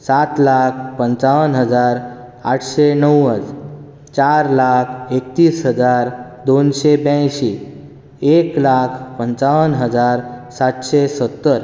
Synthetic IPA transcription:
sat̪lakʰpəɲt͡ʃaʋənɦəd͡zaɾ | aʈʰsenəwəd͡z | t͡ɕaɾlakʰekt̪iːsɦəd͡zaɾd̪onsebjãjɕi | eklakʰpəɲt͡saʋənɦəd͡zaɾsat̪ɕesət̪ːəɾ

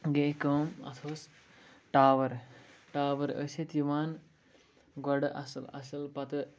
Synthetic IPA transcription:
ɡekəːmɐ̰t̪ʰoːs | ʈaːʋɐɾʈaːʋɐɾə̰ːset̪iʋaːn | ɡɐɽʔɐ̰sɐlɐ̰sɐlpɐt̪ɨ

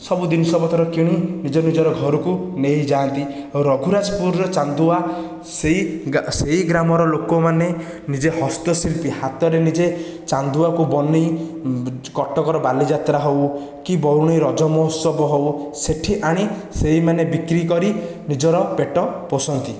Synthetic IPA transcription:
sɔbud̪inɔsɔbɔt̪ʰɔɾɔkiɽ̃inid͡ʒɔnid͡ʒɔɾɔɡʱɔɾukunejd͡ʒaːnt̪iawɾɔɡʱuɾad͡ʒɔpuɾɾɔt͡ʃand̪ua | seiseɦiɡɾamɔɾɔlokɔmane | nid͡ʒehɔst̪ɔsilpihat̪ɔɾenid͡ʒe | t͡ʃand̪uakubɔnej | kɔʈɔkɔɾɔbalid͡ʒat̪ɾaɦow | kibɔwɽ̃ejɾɔd͡ʒɔmɔsɔbɔɦowseʈʰiʔaɽ̃iseɦimanebikɾikɔɾi | nid͡ʒɔɾɔpeʈɔpɔsɔnt̪i

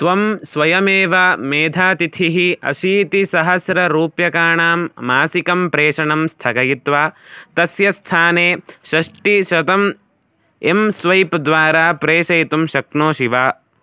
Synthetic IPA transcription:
t̪ʋɐmsʋɐjɐmeːʋameːd̪ʱaːt̪it̪ʰiɦiɐ̰ʃiːt̪isɐɦɐsɾɐɾuːpjɐkaːɳaːmːaːsikɐmpɾeːʂɐɳɐmst̪ʰɐɡɐjit̪ʋaːt̪ɐsjɐst̪ʰaːneːʃɐʂʈiʃɐt̪ɐm | emsʋɐjpd̪ʋaːɾaːpɾeːʃɐjt̪umʃɐknoːʃiʋaː

